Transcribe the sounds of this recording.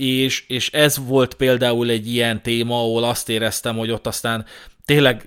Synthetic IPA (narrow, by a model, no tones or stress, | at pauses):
eːʃeːʃɛzʋo̞lt̪peːld̪aːulɛɟːijɛnt̪eːmɒɒɦolɒst̪eːɾɛst̪ɛmho̞ɟo̞t̪ːɒst̪aːnt̪eːnlɛɡ